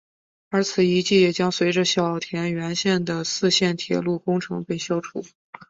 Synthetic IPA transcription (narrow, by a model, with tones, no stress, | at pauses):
ə˞˧˥t͡sʰɹ̩˨˩i˧˥t͡ɕi˥˩jɛ˨˩t͡ɕjɑ˥ŋswe˧˥ɪʈ͡ʂə˧ɕjɑ˨˩ʊ˩t̪ʰjɛ˧˥nɥɛ˧˥nɕjɛ˥˩nd̪ə˩sɹ̩˥˧ɕjɛ˥˩nt̪ʰjɛ̰˧˥lu˥˩kʊ˥ŋʈ͡ʂʰɤ̰˧˥ŋpe˥˩ɪɕjɑ˥ʊʈ͡ʂʰu˨˩˦